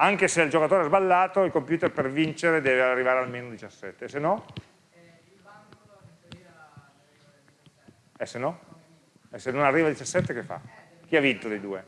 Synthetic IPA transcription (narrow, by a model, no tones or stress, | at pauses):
aŋkeseild͡ʒokat̪oːɾeɛzbalːaːt̪oilkompjuːt̪erpervint͡ʃeɾed̪ɛːvearːivaːɾealmeːnod̪it͡ʃasːɛt̪ːesenːɔ | ɛsenɔ | ɛsenonarːiːvad̪it͡ʃasːɛt̪ːekefːa̰ | k̟iavːint̪od̪ejd̪uːe